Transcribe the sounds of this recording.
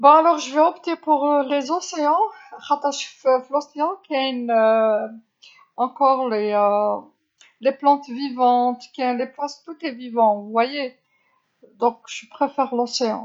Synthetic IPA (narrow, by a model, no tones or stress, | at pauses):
bɔ̃alɔʁʒəvɛɔpt̪epuʁlezɑ̃seɑ̃ʁat̪aʃfflɔsjɑ̃kiayn | ɑ̃kɔʁle | leplɑ̃t̪vivɑ̃t̪kiɛleplɑ̃st̪ut̪evivɑ̃uvwaje | d̪ɔ̃kʒ̥əpχefɛʁlɑ̃seɑ̰̃